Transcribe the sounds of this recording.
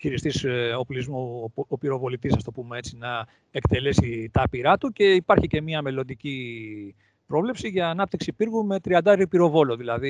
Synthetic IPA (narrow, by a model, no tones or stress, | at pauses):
çiɾist̪iso̞plizmoopiɾo̞vo̞lit̪isɐst̪o̞pumee̞t͡sinɐ | ekt̪e̞le̞sit̪ɐpiɾɐt̪uce̞ipɐɾçice̞miɐme̞lo̞nd̪ici | pɾo̞vle̞psiʝɐːnɐp̚t̪iksipiɾɣume̞t̪ɾiɐnd̪ɐeɾipiɾo̞vo̞loðilɐði